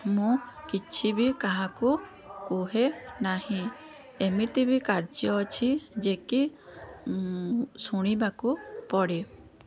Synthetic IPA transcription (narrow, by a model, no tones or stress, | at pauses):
mũkit͡ʃʰibikaɦaku | kuɦenahĩ | emit̪ibikaɾd͡ʒjɔt͡ʃʰid͡ʒeki | suɽ̃ibakupɔɽi